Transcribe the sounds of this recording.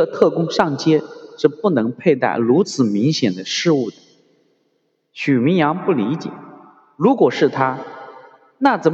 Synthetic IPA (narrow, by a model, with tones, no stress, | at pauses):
ə˧t̪ʰɤ˥˩kʊ˥ŋʂɑ˥˩ŋt͡ɕjɛ˥ʂɻ̩˥˧pu˥˩nɤ˧˥ŋpʰe˥˧ɪt̪a̰˥˩ɪɻu˧˥t͡sʰɹ̩˨˩mi˧˥ŋɕjɛ˨˩nd̪ə˦ʂɻ̩˥˧u˥˩d̪ə˩ | ɕy˨˩mi˧˥jɑ˧˥ŋpu˥˩li˧˥t͡ɕjɛ̰˨˩˦ | ɻu˧˥kwɔ˨˩ʂɻ̩˥˩t̪ʰa˥ | na˥˩t͡sə˨˩